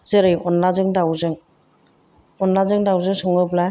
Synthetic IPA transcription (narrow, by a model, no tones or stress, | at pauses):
z̥eɾɯjɔnlazɯŋdawzɯŋ | ɔnlazɯŋdawzɯŋsɔŋɯbla